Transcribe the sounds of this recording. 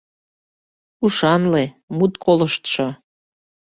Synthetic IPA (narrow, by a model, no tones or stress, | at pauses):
uʃɑnle | mut̪kʰoləʃt̪ʃo